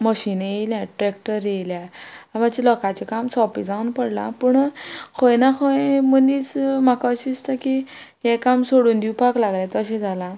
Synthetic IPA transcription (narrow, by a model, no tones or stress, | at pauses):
məɕiːnjejljãʈɾek̚ʈəɾejljamat͡ɕilɔkat͡ɕikamsɔpḭd͡zaunpəɽlã̰pəɳkʰojnakʰoẽmənit͡smakaəɕist̪aki | jɛkamsoɽuːnd̪iwpaklaɡlãt̪əɕẽd͡zʱala